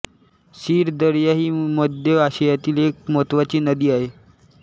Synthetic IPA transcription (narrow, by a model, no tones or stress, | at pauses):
ɕiːɾd̪əɽjaɦiːməd̪ʱjəaɕejat̪iːlek̚mot̪ʋat͡ɕiːnəd̪iːaɦe